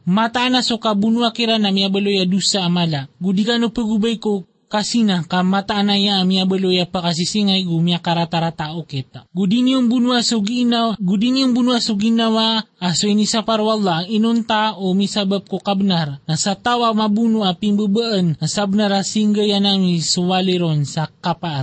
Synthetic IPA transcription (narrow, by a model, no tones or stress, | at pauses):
mat̪aːnasokabunuakiɾanamiabəlojadusaːmalaɡudikanopəɡubajko | kasinakamat̪aʔːnajaːmiabəlojapakas̬isiŋajɡumiakaɾat̪aɾat̪aʔoket̪aɡudiniuŋbunuasoɡinaɡudiniuŋbunuasoɡinawaːsoinisapaɾuwalːainont̪aomisabab̚kokabnaɾnasat̪awamabunuapiŋbəbəʔənasabənaɾasiŋɡəjanamisowaleɾonsakapa